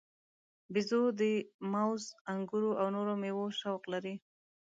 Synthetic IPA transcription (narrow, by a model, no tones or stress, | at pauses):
bɪzod̪əmawzaŋɡuɾoʔawnoɾomewoʃawqlaɾi